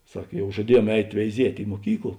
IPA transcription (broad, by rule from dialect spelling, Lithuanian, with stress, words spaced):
ˈsɐk ˈjɛʊ ʒɐˈdʲiɛˌjuɔm ˈɛɪtʲ ʋʲɛɪˈzʲiɛtʲ ɪ muɔˈkʲiːklˠ